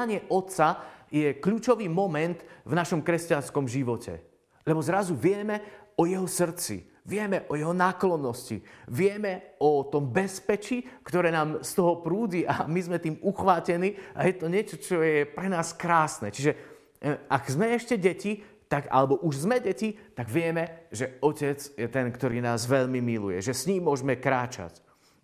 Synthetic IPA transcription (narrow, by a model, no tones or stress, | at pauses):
aɲɪɛʔɔt̪t͡sajɛkʎuːt͡ʃɔʋiːmɔmɛnt̪vnaʃɔmkɾɛscanskɔmʒiʋɔcɛ̰ | lɛbɔzɾazuʋɪɛmɛɔjɛɦɔsr̩t͡sḭ | ʋɪɛmɛʔɔjɛɦɔnaklɔnːɔscḭʋɪɛmɛɔt̪ɔmbɛspɛt͡ʃikt̪ɔɾɛːnaːmst̪ɔɦɔpɾuːd͡ʑiʔamizmɛt̪iːmuxʋaːcɛniːa̰jɛt̪ɔɲɪɛt͡ʃɔt͡ʃɔjɛpɾɛnaːskɾaːsnɛt͡ʃiʒɛ | aɡzmɛɛʃcɛɟɛcit̪aɡa̰lɛbɔʔuʒzmɛɟɛcit̪aɡʋɪɛmɛʒɛɔcɛd͡zjɛt̪ɛnkt̪ɔɾiːnaːzʋɛʎmimilṵjɛ̰ʒɛsɲiːmːʊɔʒmɛkɾaːt͡ʃa̰c